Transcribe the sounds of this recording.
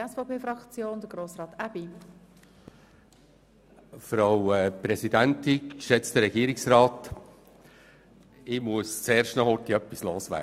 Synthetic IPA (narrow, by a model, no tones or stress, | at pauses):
ɛsfaʊpeːfɾɑkt͡sjoːnd̥̪əɡ̥ɾoːsɾɑːt̪ab̥i | fɾɑʊwɛpɾɛsidænt̪ɪkʃɛt͡st̪əɾɛɡ̥iːɾɪksɾɑːt̪ | ɪmuəst͡sɛːɾʃtnɑχhɔt̪iœpːisloːsʋæ̰ː